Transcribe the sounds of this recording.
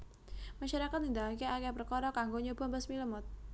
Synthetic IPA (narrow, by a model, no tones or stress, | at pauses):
maʃaɾakat̪nind̪akiakapərkɔɾɔkaŋɡoɲɔb̥ambəsmiləmʊt̪̚